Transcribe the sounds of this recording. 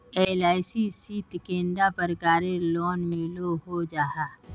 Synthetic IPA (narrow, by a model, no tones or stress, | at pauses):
eːlaːɪsisiːt̪kẽːnd̪apəɾkaːɾelɔːnmɪloɦod͡ʒaːɦaː